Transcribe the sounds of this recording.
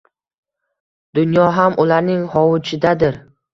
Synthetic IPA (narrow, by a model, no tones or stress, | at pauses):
d̪̥ʊnjɒɦamʔʊlaɾnɪŋhɒwʊt͡ʃʰɪd̪ad̪ɪɾ